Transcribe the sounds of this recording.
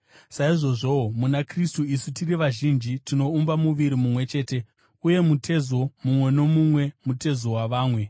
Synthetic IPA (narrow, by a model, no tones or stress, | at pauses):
saiʐo̞ʐo̞omunakristuisutiriʋaʒind͡ʒitino̞umbamuʋiɾimumwe̞t͡ʃe̞ːte̞ | uje̞mutʰe̞zo̞mumwe̞no̞mumwe̞mute̞zo̞waʋaːmwe̞